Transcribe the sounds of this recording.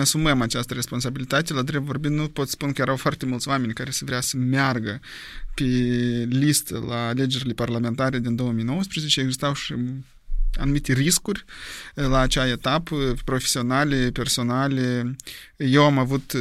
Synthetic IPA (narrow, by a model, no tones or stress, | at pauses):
asuməmat͡ʃast̪əɾe̞spo̞ns̬abilit̪at̪elad̪ɾevo̞rbit̪nupo̞t̪spunkəjeɾawfoart̪e̞mult̪sʲoame̞nʲkaɾe̞səvɾeasəmearɡə | pe̞list̪ə̰laːle̞d͡ʒe̞ɾile̞parlame̞nt̪aɾe̞d̪ind̪o̞wəmijnowəspɾezet͡ʃeeɡzist̪awʃi | a̰numit̪e̞riskurʲlaːt͡ʃaet̪apəpɾo̞fe̥sio̞nalʲepe̞rso̞nalʲe | je̞wamavut̪